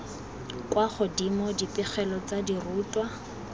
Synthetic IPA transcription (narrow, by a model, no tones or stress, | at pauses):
kwaχʊdimɔdipʼɪχɛlɔt͡sadiruːtʼwa